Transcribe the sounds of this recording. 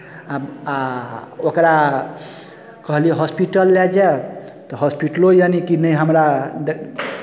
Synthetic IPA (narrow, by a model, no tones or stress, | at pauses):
aaokɾa | kəɦliɛɦɔspiʈəlːɛd͡ʒae | t̪ɔɦɔspiʈlojanikinəiɦəmɾa